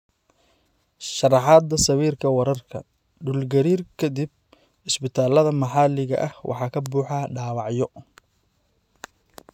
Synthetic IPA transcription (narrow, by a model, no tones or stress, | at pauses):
ʃɑrɑħɑːd̪ːɐsɐβiːrkʰɐwɐɾɐrkʰɐ̰ | ɖulɡɐɾiːrkʰɐd̪ib̚ | ɪsbɪt̪ʰaːlɐðɐmɑħɑːlɪɣɐ̰ʔɐhwʔɑ̰ħɑːkʰɐbuːħɑɖaːwɑʕjɔ